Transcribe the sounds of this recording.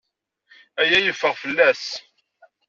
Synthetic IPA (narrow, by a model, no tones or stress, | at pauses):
æjæjəfːəʁfəlːæs